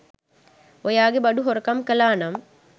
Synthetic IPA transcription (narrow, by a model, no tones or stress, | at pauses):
ɔjaːɡebɐɖuɦɔɾkɐmkɐlaːnɐm